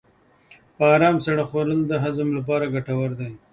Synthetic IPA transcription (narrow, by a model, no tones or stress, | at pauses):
pəɑːɾɑːmsaɽaxoɾəld̪əɦazəmlap̬ɑːɾaɡaʈawaɾd̪aj